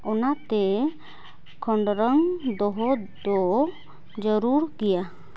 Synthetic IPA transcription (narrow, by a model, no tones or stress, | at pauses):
ɔnat̪ɛ | kʰɔɳɖɾəŋd̪ɔɦɔd̪ɔ | d͡ʒəɾuɾkija